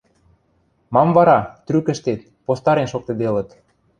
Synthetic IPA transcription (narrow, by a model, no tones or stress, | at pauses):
mɑmvɑɾɑt̪ɾykə̆ʃt̪et̪̚ | post̪ɑɾenʃok̚t̪ĕd̪elə̆t̪